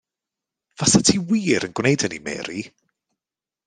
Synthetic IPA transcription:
v̥asʰatʰiwiːɾənɡwnejdənimɛ̰ːɾi

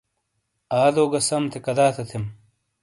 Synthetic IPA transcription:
aːd̪oːɡɐsɐmt̪ʰekɐd̪aːt̪ʰɐt̪ʰem

